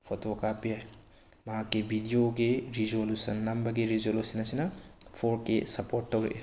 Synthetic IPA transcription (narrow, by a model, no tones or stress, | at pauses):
pʰotokapija | mɐɦãkebʱidijokeɾizolusɐnːɐmbɐɡeɾizolusɐnɐsinɐpʰoɾkesɐpoːɾʈːɐɾḛ